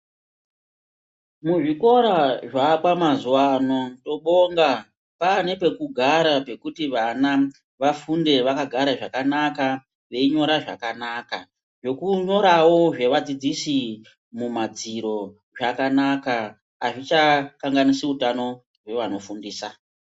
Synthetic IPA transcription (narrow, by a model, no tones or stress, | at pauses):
muʐiko̞ɾaʐaɓwamazuwano̞to̞ɓo̞ŋɡa | pane̞pe̞kuɡʱaɾape̞kutiʋana | ʋafunde̞ʋakaɡʱaɾaʐakanaka | ʋe̞iɲo̞ɾaʐa̰kanaka̰ | ʐe̞kuɲo̞ɾawo̞ʐe̞ʋad͡zid͡zisi | mumad͡ziɾo̞ | ʐakanakaː | ʐit͡ʃakaŋɡanisiutano̞ | rwe̞ʋano̞fundiːsa